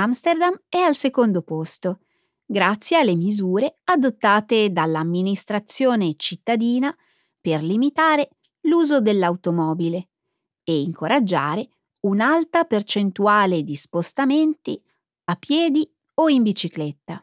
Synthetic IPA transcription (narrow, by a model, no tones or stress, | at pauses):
amst̪erd̪amɛalsekond̪opost̪o | ɡɾat̪sːjealːemizuːɾead̪ot̪ːaːt̪ed̪alːamːinist̪ɾat̪sːjoːnet͡ʃit̪ːad̪iːna | perlimit̪aːɾe | luːzod̪elːawt̪omɔːbile | eiŋkʰoɾad͡ʒːa̰ːɾe | unalt̪apert͡ʃent̪uaːled̪ispost̪ament̪i | apːjɛːd̪i | oimbit͡ʃiklɛt̪ːa